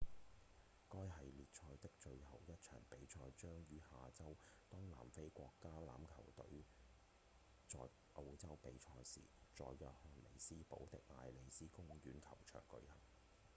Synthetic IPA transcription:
kɔː˥jɦɐ˨jliː˨t̚t͡ʃʰɔː˧jt̪ɪ˥k̚t͡ʃɵ˧ɥɦɐ˨˩wjɐ˥t̚t͡ʃʰœ̰ː˨˩ŋpe˨˥jt͡ʃʰɔː˧jt͡ʃœː˥ŋjyː˨˧˥haː˨t͡sɐ˥wt̪ɔː˥ŋla̰ː˨˩mfe˥jkʷɔː˧kːaː˥la̰ː˨˥mkʰɐ˨˩wt̪ɵ̰˨˥ɥ | t͡sɔ̰ː˨j | ʔo˧wt͡sɐ˥wpe˨˥jt͡ʃʰɔː˧jsḭː˨˩t͡sɔ̰ː˨˧jːœː˨t̚hɔː˧nlḛ˨˩jsiː˥po˨˥wt̪ɪ˨k̚ŋa̰ː˨jle˨˩jsiː˥kʊ˥ŋɥyː˨˥nkʰɐ˨˩wt͡ʃʰœ̰ː˨˩ŋkɵ̰˧ɥhɐ̰˨˩ŋ

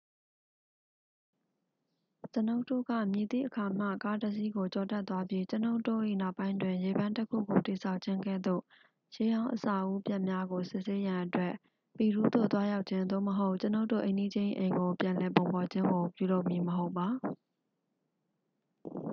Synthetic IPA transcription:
t͡ɕə˦no˦ʊʔtːo̰˦˨ɡa̰˦˨mji˨t̪ḭ˦˨ʔəkʰa˨m̥a̰˦˨ka˦tə˦s̬i˦ɡo˨t͡ɕɔ˨tɛ˦t̪wa˦bji˦t͡ɕəno˦ʊʔtːo̰˦˨ʔḭ˦˨na˦ʊpːã˦ɪ̃ntwɪ̃˨je˨bã˦ntəkʰṵ˦˨ɡo˨ti˨sʰa˦ʊʔt͡ɕʰɪ̃˦ŋɡɛ̰˦˨d̪o̰˦˨ | je˦jã˦ʊ̃ʔəsa˨ʔu˦pja˦ʔmja˦ɡo˨sɪ˦ʔse˦jã˨ʔətwɛ˦˨ʔ | pi˨ɾu˦d̪o̰˦˨t̪wa˦ja˦ʊʔt͡ɕʰɪ̃˦nd̪o̰˦˨məɦo˦ʊʔt͡ɕə˦no˦ʊtːo̰˦˨ʔẽ˨ɪ̃di˦d͡ʑɪ̃˦ʔḛ̃˨ŋɡo˨pjã˨nlɛ˨p̬õ˨ʊ̃pɔ˨d͡ʑɪ̃˦ŋɡo˨pjṵ˦˨lo˦ʔmi˨məɦo˦ʊpːa˨

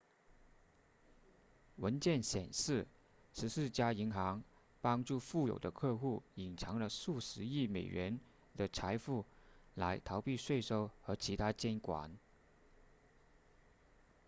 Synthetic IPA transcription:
wə˧˥nt͡ɕjɛ˥˩nɕjɛ̰˨˩nʂɻ̩˥˩ | ʂɻ̩˧˥sɹ̩˥˩t͡ɕja˥i˧˥ŋxɑ˧˥ŋ | pɑ˥ŋʈ͡ʂu˥˧fu˥˩jo̰˨˩ʊd̪ə˦kʰɤ˥˧xu˥˩i˨˩nʈ͡ʂʰɑ˧˥ŋlə˧ʂu˥˩ʂɻ̩˧˥i˥˩me˨˩ɪɥɛ˧˥n | d̪ə˨ʈ͡ʂʰa˧˥ɪfu˥˩la˧˥ɪt̪ʰɑ˧˥ʊpi˥˧ʂwe˥˩ɪʂo˥ʊxɤ˧˥t͡ɕʰi˧˥t̪ʰa˥t͡ɕjɛ˥nkwa̰˨˩˦n

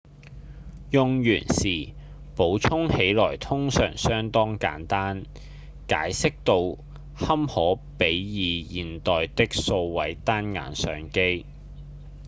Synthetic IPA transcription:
jʊ˧ŋjy̰ː˨˩nsiː˨˩ | po˨˥wt͡sʰʊ˥ŋhe˨˥jlɔː˨˩jt̪ʰʊ˥ŋsœ̰ː˨˩ŋsœː˥ŋt̪ɔː˥ŋka̰ː˨˥nt̪aː˥n | ka̰ː˨˥jsɪ˥k̚t̪o˧w | hɐ˥mhɔː˨˥pe˨˥jjiː˨˧jiː˨nt̪ɔː˨jt̪ɪ˥k̚so˧wwɐ˨˥jt̪aː˥nŋa̰ː˨nsœ̰ː˨˧ŋke˥j

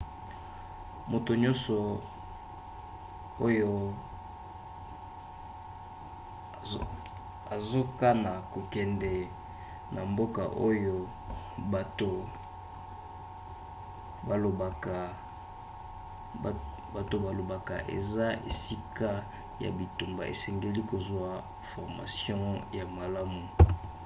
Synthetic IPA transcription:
mo˨to˨ɲɔ̃˦nsɔ˨ | o˦jo˦ | a˨zo˦ka˦na˨ko˨kɛ˨ndɛ˨ | nʔa˨mbo˦ka̰˨ʔo˦jo˦ | a˨to˨ | a˨lo˨ | ba˨to˨ba˨lo˨ba˨ka̰˨ʔḛ˨za˦ʔḛ˨si˦ka˦ | ja̰˨bi˨tu˨mba̰˨ʔḛ˨sɛ˨ŋɡe˦li˦ko˨zwa˨ | fɔ˨ʁma̰˨sjɔ̃˦ja˨ma˨la˦mu˨

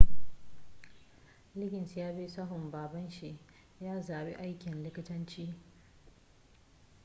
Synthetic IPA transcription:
lɪ˦ɡʲɪ˨nsjaː˦bi˦sɐ˦ɦʊ˨mbaː˨bɐ˦nʃi˨ʔ | jaː˦zaː˨bḭ˦ʔa˦jkʲɪ˨nlɪ˦kʲɪ˦tɐ˦nt͡ʃiː˦

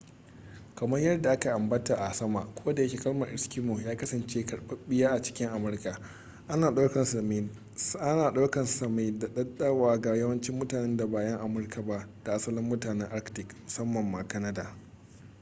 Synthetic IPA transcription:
kɐ˨mɐ˦rjɐ˦rda˨ʔa˦ka˨ʔa˨mbɐ˦ta˨ʔa˨sɐ˦ma˨ʔkʷʰo˦da˨jɐ˦kʲiː˨kɐ˦lmɐ˨ʔɪ˨skʲi˦mːu˨jaː˦kɐ˦sɐ˨nt͡ʃeː˦kɐ˨ɽɓɐ˦ɓɪ˦jaː˦ʔa˨t͡ʃɪ̥˦kʲɪ˦ŋʔa˨mʊ˨˦rka˨ | ʔa˦naː˨ɗa˦wkɐ˨nsɐ˨mɪ˦n | ʔa˦naː˨ɗa˦kɐ˨nsɐ˨ma˦jda˨ɗɐ˦ɗɐ˦waː˨ɡa˨jɐ˦wɐ˦nt͡ʃɪ˦mːʊ˦taː˨nɛ˦nda˨baː˨jɐ˦ŋʔa˨mʊ˦rkʰa˨ba˦ʔd̥a˨ʔa˦sɐ˦lɪ˦mːʊ˦taː˨nɛ˦ŋʔa˦ktɪ˨kmʊ˨sɐ˦mːɐ˨mːa˨kɐ˦nɐ˦daː˨

